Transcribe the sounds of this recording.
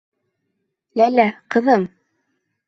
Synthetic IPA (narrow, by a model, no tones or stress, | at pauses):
lælæqɤ̆ðɤm